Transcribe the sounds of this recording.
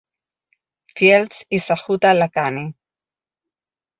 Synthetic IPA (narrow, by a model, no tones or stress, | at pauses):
fjelt͡sisaχut̪alakani